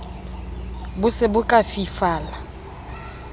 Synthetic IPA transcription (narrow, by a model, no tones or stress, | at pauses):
bʊsɪbʊkʼafifaːla